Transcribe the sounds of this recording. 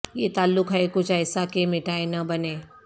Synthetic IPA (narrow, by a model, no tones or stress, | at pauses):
jeːt̪aːlːʊkɦɛekʊt͡ʃʰɛːsakemɪʈaːenɐbɐneː